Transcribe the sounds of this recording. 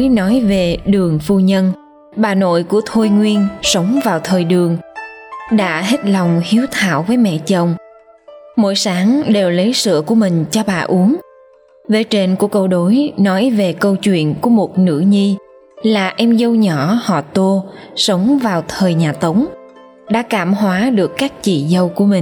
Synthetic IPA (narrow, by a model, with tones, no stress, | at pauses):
nɔ˨˦jve˨˩ɗɨ˨˩əŋfu˧ɲə˧n | ɓaː˨˩no̰˧˨jku˧˩ət̪ʰo˧jŋwi˧ənsə˨˦wŋ͡mvaː˨˩wt̪ʰəː˨˩jɗɨ˨˩əŋ | ɗa̰ː˧˥ɦe˦˥t̚lɔ˨˩wŋ͡mhi˨˦əwt̪ʰa̰ː˧˨wvəː˨˦jmɛ̰˧˨t͡ɕə˨˩wŋ͡m | mo̰˧˥jsaː˨˦ŋɗe˨˩wlə˨˦jsɨ̰˧˨əku˧˩əmï˨˩ŋ̟t͡ɕɔ˧ɓa̰ː˨˩ʔu˨˦əŋ | ve˨˩t͡ɕe˧nku˧˩əkə˧wɗo˨˦jnɔ˨˦jve˨˩kə˧wt͡ɕwḭ˧˨ənku˧˩əmo˨˩t̚nɨ̰˧˥ɲi˧ | laː˨˩ʔɛ˧mzə˧wɲɔ˧˩˨hɔ̰˧˨t̪o˧sə˨˦wŋ͡mvaː˨˩wt̪ʰəː˨˩jɲaː˨˩t̪ə˨˦wŋ͡m | ɗa̰ː˧˥kaː˧˩mhwaː˨˦ɗɨ˨˩əkːaː˦˥k̚t͡ɕḭ˧˨zə˧wku˧˩əmï˨˩ŋ